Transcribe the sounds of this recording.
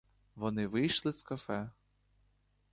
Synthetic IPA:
ʋɔnɪʋɪjʃlˠɪskɐfɛ

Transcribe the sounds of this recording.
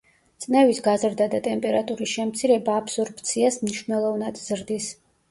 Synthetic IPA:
t̪sʼnɛvisɡazɾd̪ad̪at̪ʼɛmpʼɛɾat̪ʼuɾisʃɛmt̪sʰiɾɛbaːpʰsɔɾpʰʼt̪sʰiasmniʃvnɛlˠɔvnad̪z̥ɾd̪is

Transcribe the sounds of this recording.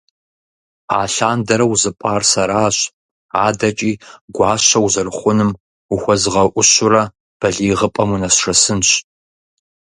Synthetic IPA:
a̰ːɬaːndɐɾɐwzɨpʼaːrsɐɾaːɕ | aːdɐt͡ʃʼiːɡʷɑːɕɐwuzɐrχʷʊnɨm | uxʷɔzʁɐʔʷʊɕʊrɐ | b̥ɐɮiːʁəpʼɐmunɐɕʂɐsɨnɕ

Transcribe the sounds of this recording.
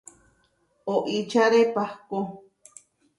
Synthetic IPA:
oʔit͡ʃʰaɾepahko

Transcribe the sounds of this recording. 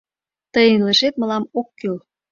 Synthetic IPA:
t̪əjənlə̆ʃet̪mə̆lɑmokːyl

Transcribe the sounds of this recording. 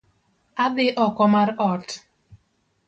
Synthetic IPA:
ad̪ɪʔɔkɔmaɾɔt

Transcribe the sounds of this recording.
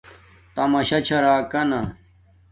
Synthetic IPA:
t̪ɐmɐɕɐt͡ɕʰɐɾaːkɐna

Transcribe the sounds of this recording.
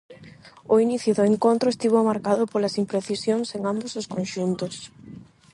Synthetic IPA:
ʊiniθjʊðʊeŋkont̪ɾʊest̪iβ̞omaɾkaðʊpolɐsimpɾeθisjoŋseŋambosʊskonʃunt̪ʊs

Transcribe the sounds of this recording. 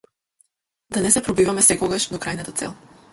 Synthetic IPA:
d̪anɛsɛpɾɔbivamɛsɛkɔɡaʃd̪okɾajnat̪at̪sɛ̰lˠ

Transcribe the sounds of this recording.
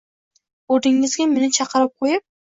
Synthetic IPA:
oɾd̪ɪŋːɪzɡʲamɪnɪt͡ʃʰɑqʰɨɾɪp̚qʰojɪp̚

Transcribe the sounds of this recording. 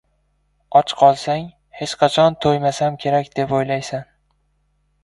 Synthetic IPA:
ɒt͡ʃqʰɒlˠsaŋ | het͡ʃqʰɑt͡ʃʰɒnt̪ʰojmasamkʲʰe̞ɾakʲd̪̥e̞pojlajsan

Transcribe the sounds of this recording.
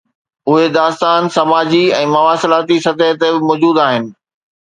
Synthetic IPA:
ʊɦed̪aːst̪aːnsɐmaːd͡ʑiɛ̃ːmɐʋaːsɪlaːt̪isɐt̪əɦt̪ebɪmɔːd͡ʑuːd̪aːɦɪnɪ̆

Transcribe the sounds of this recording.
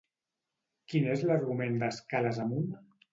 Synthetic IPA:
kinezləɾɣumend̪əskaləzəmun

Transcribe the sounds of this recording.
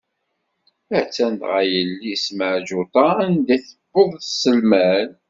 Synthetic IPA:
æt͡sːænt̪ʁæjəlːisməʕʒʊt̪ˤɑnd̪æθə̥bːʊðˤsəlmæn

